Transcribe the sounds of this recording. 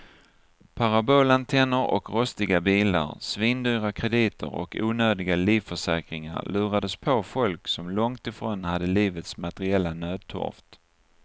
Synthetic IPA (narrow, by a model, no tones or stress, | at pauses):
pʰaɾaboːlant̪ʰɛnːəɾɔ̰kɾɔst̪ɪɡabiːla̰ɾsviːnd̪yːɾakʰɾɛd̪iːt̪ʰə̰ɾɔ̰kṵːnøːd̪ɪɡaliːvfœʂɛːkɾɪŋa̰ɾlʔʉ̟ːɾad̪əspʰɔfɔlksɔmlɔŋt̪ɪfɾoːnhad̪ːəliːvət̪smat̪ɛɾɪɛlːanøːd̪̚t̪ʰɔ̰ɾft̪